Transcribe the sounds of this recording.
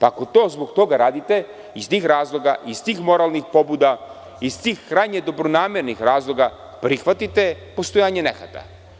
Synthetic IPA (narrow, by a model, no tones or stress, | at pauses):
pako̞t̪o̞ːzboɡt̪o̞ɡaɾaːd̪it̪e̞ | ist̪iːxɾaːzlˠo̞ɡa̰ʔist̪iːxmo̞ɾalnixpo̞buːd̪a | ist̪iːxːɾajɲed̪o̞bɾonaːmeɾnixɾaːzlˠo̞ɡa | pɾixʋat̪it̪e̞po̞st̪o̞jaːɲenexa̰t̪a̰